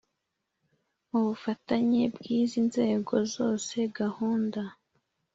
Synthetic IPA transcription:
uβufataɲebɡiːzinze̞ːɡo̞zo̞ːse̞ɡahuːnda

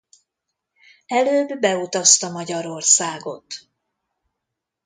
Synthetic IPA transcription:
ɛløːbːɛut̪ɒst̪ɒmɒɟɒɾo̞rsaːɡo̞t̪

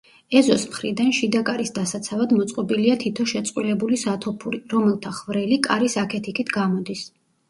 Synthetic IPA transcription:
ɛzɔsmχɾid̪anʃid̪akʼaɾisd̪asat̪sʰavad̪mɔt̪sʼqʼɔbiliat̪ʰit̪ʰɔʃɛt̪sʼqʼwilɛbulisat̪ʰɔpʰuɾiɾɔmɛlˠt̪ʰaχvɾɛlikʼaɾisakʰɛt̪ʰikʰit̪ʰɡamɔd̪is

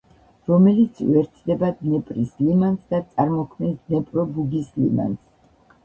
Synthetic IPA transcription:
ɾɔmɛlit̪sʰvɛɾt̪ʰd̪ɛbad̪nɛpʼɾislimansd̪at̪sʼaɾmɔkʰmɛnsd̪nɛpʼɾɔbuɡislḭma̰ns

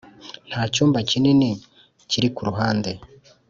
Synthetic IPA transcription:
n̥haːcuːmbacinine | ciɾikuɾuɦaːnde̞

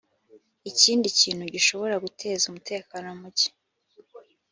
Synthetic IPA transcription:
iciːndiciːnhuɟiʃo̞βo̞ɾaɡutʰe̞ːzumutʰe̞ːkaːnomuɟe̥

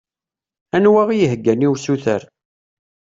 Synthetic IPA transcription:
ænwæʁijəɦəɡːæniwsuθə̰ɾ

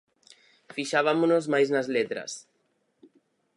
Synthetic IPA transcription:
fiʃaβamonozmajznazlet̪ɾa̰s

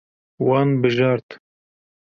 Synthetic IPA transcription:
wɑːnbɨʒɑːɾt̪

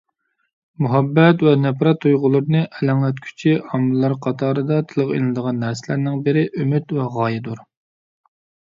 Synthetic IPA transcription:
muɦɛbːɛt̪wɛnɛpɾɑt̪ʰːujʁʊlˠɨɾnɨʔɛlæŋlɛt̪kʲʰy̥t͡ʃʰiɑmːɨlˠːɑɾqʰɑt̪ʰɑːɾɨd̪ɑt̪ʰɨlˠəqḛlɨnɨd̪əʁɑnːæɾsɪlæɾnɪŋbɪɾɪʔymyt̪wɛʁɑːjɪd̪uɾ

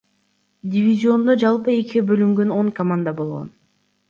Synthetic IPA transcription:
dʲɪvʲizʲio̞nd̪od͡ʒɑlˠpɯe̞kʲiɡebø̞lyŋɡø̞no̞ŋkɐmand̪abo̞lˠʁo̰n

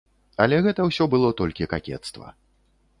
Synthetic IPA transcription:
ɐlʲɛɣɛt̪ɐwsʲɔbɨlˠɔt̪ɔlʲkʲiɐkakʲɛ̰t̪st̪vɐ̰

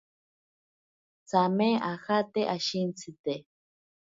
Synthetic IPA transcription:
t͡sameaxat̪eʔaʃint͡sʰit̪e

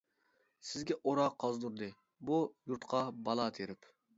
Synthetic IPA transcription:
sɪzɡʲɛʔoɾɑqʰɑzd̪uɾd̪ɨ | bujuɾt̪qʰɑbɑlˠɑt̪ʰeɾɪp

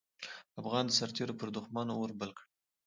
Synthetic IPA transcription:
afɣɑnd̪əsaɾt̪eɾopəɾd̪ʊxmɑnowəɾbəlkɽ

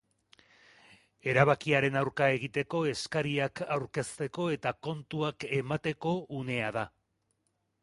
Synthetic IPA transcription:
e̞ɾaβakiaɾe̞nawɾkae̞ɣ̞it̪e̞ko̞e̞skaɾiakawɾke̞st̪e̞ko̞e̞t̪ako̞nt̪uake̞mat̪e̞ko̞une̞að̞a

